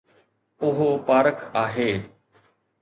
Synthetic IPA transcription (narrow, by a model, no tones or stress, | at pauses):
ʊɦoːpaːɾəkʰaːɦeː